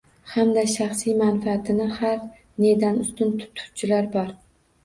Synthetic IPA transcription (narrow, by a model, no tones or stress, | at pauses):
hamd̪aʃaχsijmanfaːt̪ʰɪnɪhaɾ | ned̪anʊst̪ɪnt̪ʰʊ̥t̪ʰʊ̥wt͡ʃʰɪlaɾbɒɾ